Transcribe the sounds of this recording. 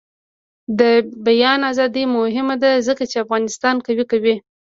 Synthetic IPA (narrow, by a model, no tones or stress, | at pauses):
d̪əbajɑnazɑd̪əjmʊhɪmad̪azəkat͡ʃeafɣɑnɪst̪ɑnkawikawi